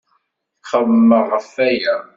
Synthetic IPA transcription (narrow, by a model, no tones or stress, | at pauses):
θχəðmːəʁːəfæjæ